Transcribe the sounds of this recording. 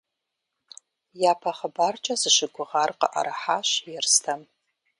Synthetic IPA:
jaːpʰɐχəbaːrt͡ʃʼɐzɨʃɪɡʷʊʁarqə̰ʔɐ̰ɾaħaːʃjɛrstʰɐm

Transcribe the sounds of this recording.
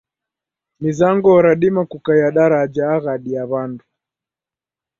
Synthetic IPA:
mizaŋɡɔɾaɗimakukajaɗaɾad͡ʒaːɣaɗiaβandu

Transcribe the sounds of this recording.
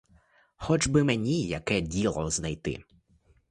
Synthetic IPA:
xɔd͡ʒbɪmenʲijɐkɛdʲilˠɔznajt̪ɪ̰

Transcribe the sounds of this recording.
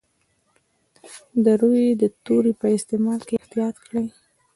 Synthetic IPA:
d̪əɾojed̪ət̪oɾipəɪst̪emɑlkeht̪ijɑt̪kɽəj

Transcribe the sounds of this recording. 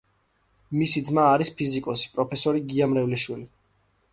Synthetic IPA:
misid̪zmaːɾispʰizikʼɔsi̥pʼɾɔpʰɛsɔɾiɡiamɾɛvliʃwili

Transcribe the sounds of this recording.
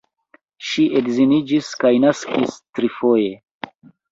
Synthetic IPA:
ʃiʔekzinid͡ʒiskajnaskistɾifoje̞

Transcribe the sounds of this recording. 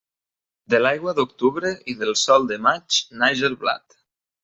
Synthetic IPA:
d̪elajɣwaðok̚t̪uβɾeiðelˠsɔlˠd̪emat͡ʃnajʒelβla̰t̪

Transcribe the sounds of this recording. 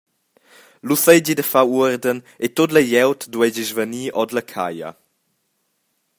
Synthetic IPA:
lused͡ʑidəfawuɾdən | et̪otləjɛwtdwɛd͡ʒizvəniːʔɔdləkʰa̰jə̰

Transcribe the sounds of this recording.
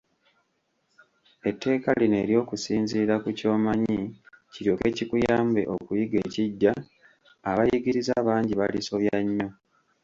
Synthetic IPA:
e̞tːe̞ːkaline̞ːɾjo̞ːkusiːnziːɾakuco̞ːmaɲiciɾjo̞ke̞cikujaːmbe̞̰ʔo̞kujiɡe̞ːciɟːaː | βajiɡiɾizaːβaːɲɟiβaliso̞βjaɲːo̞

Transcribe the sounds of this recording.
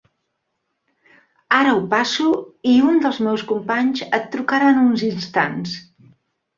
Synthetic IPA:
aɾəupasuiund̪əlˠzmɛwskumpaɲzət̪ːɾukaɾanunzinst̪ans

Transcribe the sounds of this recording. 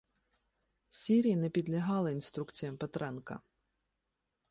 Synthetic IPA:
sʲiɾʲijinɛpʲid̪lʲɐɦɑlˠɪinst̪ɾukt͡sʲijɐmpɛt̪ɾɛnkɐ̰

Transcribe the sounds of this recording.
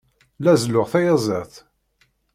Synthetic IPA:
læzlʊʁθæjɑzˤæθ

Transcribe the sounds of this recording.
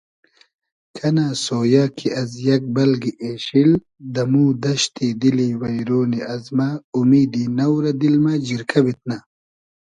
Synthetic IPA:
kʰɐnaːsoːjaːkʰiʔɐzjɐk̚bɐlɡiʔeːɕil | d̪ɐmuːd̪ɐɕt̪id̪iliwɐjɾoːniɐzmaumiːd̪inɐwɾɐd̪ilmad͡ʑiɾkʰɐbit̪̚na

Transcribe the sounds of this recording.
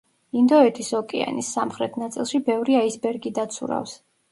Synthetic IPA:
ind̪ɔɛt̪ʰisɔkʼɛa̰nisːamχɾɛt̪ʰnat̪sʼilˠʃibɛvɾiaisbɛɾɡid̪at̪sʰṵɾa̰fs

